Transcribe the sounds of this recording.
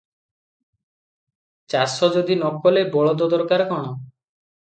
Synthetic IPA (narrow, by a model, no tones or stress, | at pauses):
t͡ʃasɔd͡ʒod̪inɔkɔlebɔɭɔd̪ɔd̪ɔɾkaɾkɔɽ̃ɔ